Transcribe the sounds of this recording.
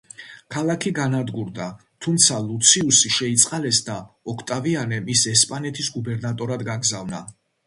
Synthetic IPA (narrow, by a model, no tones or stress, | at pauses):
kʰalˠakʰiɡanad̪ɡuɾd̪a | t̪ʰumt̪sʰalˠut̪sʰiusiʃɛit̪sʼqʼalɛsd̪a | ɔkʰt̪ʼavianɛmisɛspʼanɛt̪ʰisɡubɛɾnat̪ʼɔɾad̪ɡaɡzavna̰